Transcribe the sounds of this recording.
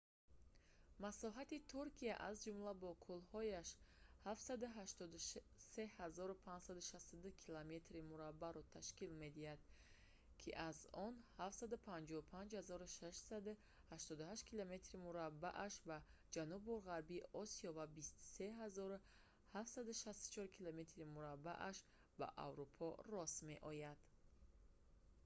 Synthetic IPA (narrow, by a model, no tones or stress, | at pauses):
masɔɦat̪it̪ʰuɾkʰiaʔazd͡ʒumlabɔkʰulhɔjaʃhafsad̪uɦaʃt̪ɔd̪u | se̞hazɔɾupʰãnd͡ʒsad̪uʃast̪ud̪uhkʰilame̞t̪ɾimuɾabːaɾɔt̪ʰaʃkilme̞d̪ihad̪̚ | kʰiʔazɔnhaft̪sad̪upʰand͡ʒɔupʰand͡ʒhazɔɾuʃaʃsad̪ | haʃt̪ɔd̪uɦaʃt̪kʰilome̞t̪ɾimuɾabːaʔaʃbad͡ʒanubuɾʁaɾbiɔsiɔvabist̪u̥se̞ɦazɔɾu | hafsad̪uʃast̪u̥t͡ʃʰɔɾkʰilome̞t̪ɾimuɾabːa̰ʔaʃ | ba̰ʔa̰vɾupʰɔrɔsme̞ʔɔjad̪̥